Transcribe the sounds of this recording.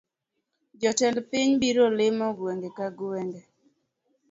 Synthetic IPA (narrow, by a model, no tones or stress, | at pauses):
d͡ʒɔtɛlpɪɲbiɾolɪmɔɡweŋɡekaɡuwɛŋɡɛ